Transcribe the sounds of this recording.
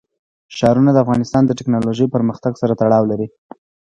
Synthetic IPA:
ʃɑɾunad̪əafɣɑnɪst̪ɑnd̪əʈɪknɑloʒəjpəɾməxt̪aɡsaɾat̪aɽɑwlaɾi

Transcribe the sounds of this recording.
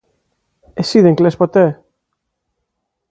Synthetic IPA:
esiðeŋklespot̪e

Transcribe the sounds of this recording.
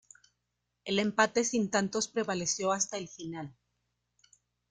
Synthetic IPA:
e̞le̞mpat̪e̞sint̪ant̪o̞spɾe̞βale̞sjo̞ast̪aelfinal

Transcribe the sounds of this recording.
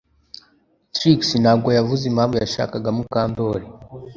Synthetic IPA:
tɾiksinhaːɡo̞javuzimhaːmbujaʃa̰ːkaɡamukaːndoɾi

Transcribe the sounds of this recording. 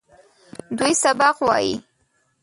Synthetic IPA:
d̪ujsabaqwɑ̰jḭ

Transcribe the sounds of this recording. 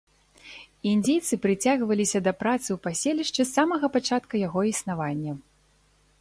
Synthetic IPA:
ind͡zʲejt̪sɨpɾɨt͡sʲaɣvɐlʲisʲɐd̪ɐpɾat̪sɨwpasʲelʲiʂt͡ʂɨsːamɐɣɐpat͡ʂat̪kɐjaɣɔisnavanʲːɐ

